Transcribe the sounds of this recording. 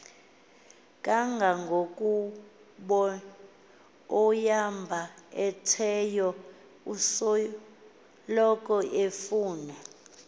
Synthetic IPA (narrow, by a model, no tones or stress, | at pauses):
kʼaŋɡʱaŋɡʱokʼu | ɓɔ | ɔjambʱaɛtʰɛjɔ | usɔ | lɔk̬ʼɔʔefuːnɛ